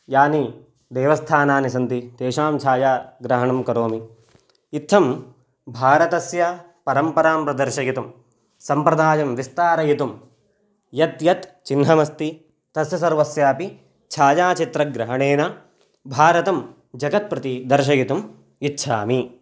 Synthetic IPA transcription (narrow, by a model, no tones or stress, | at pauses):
jaːni | d̪eːʋɐst̪ʰaːnaːnisɐnt̪it̪eːʃaːmt͡ʃʰaːjaːɡɾɐɦɐɳɐmkɐɾoːmi | it̪ʰːɐm | bʱaːɾɐt̪ɐsjɐ | pɐɾɐmpɐɾaːmpɾɐd̪ɐɾʃɐjit̪um | sɐmpɾɐd̪aːjɐmʋist̪aːɾɐjit̪um | jɐt̪jɐt̪t͡ʃinɦɐmɐst̪i | t̪ɐsjɐsɐɾʋɐsjaːpi | t͡ʃʰaːjaːt͡ʃit̪ɾɐɡɾɐɦɐɳeːna | bʱaːɾɐt̪ɐm | d͡ʒɐɡɐt̪̚pɾɐt̪id̪ɐɾʃ̬ɐjit̪um | itːʃʰaːmi